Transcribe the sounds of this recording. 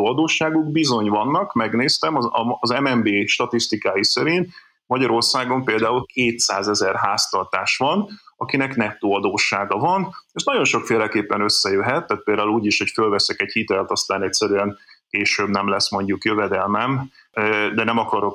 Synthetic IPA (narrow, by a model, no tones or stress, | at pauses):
oɒd̪oːʃːaːɡuɡbizo̞ɲvɒnːɒkmɛɡneːst̪ɛmɒɒːzɛmɛmbeːʃt̪ɒt̪ist̪ikaːjisɛɾint̪ | mɒɟɒɾo̞rsaːɡo̞mpeːld̪aːulkʰeːt̪saːzɛzɛrɦaːst̪ɒrt̪aːʃʋɒnɒkinɛknɛp̚t̪ːoːɒd̪oːʃːaːɡɒvɒnɛʃnɒɟo̞nʃo̞kfeːlɛkeːpːɛnø̞sːɛjøɦɛt̪ːaːt̪̚peːld̪aːuluːɟiʃho̞cfølvɛsɛkɛchit̪ɛlt̪ɒst̪aːnɛcʲsɛɾyɛŋkeːʃøːbnɛmlɛsmo̞ɲɟukjøvɛd̪ɛlmɛm | d̪ɛnɛmɒkɒɾo̞k